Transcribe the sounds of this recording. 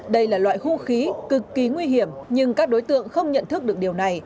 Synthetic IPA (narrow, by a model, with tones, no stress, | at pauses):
ɗə˧jlaː˨˩lwa̰ː˧˨jhṵ˧˥xi˨˦kɨ˨˩kːi˨˦ŋwi˧ɦi˧˩əmɲɨ˧ŋkaː˦˥k̚ɗo˨˦jt̪ɨ̰˧˨əŋxə˧wŋ͡mɲə̰˧˨nt̪ʰɨ˦˥k̚ɨ˨˩ək̚ɗi˨˩əwna˨˩j